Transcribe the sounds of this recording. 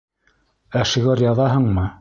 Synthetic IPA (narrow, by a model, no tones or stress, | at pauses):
æʃĭɣæɾjɑðɑɦɤɴmɤ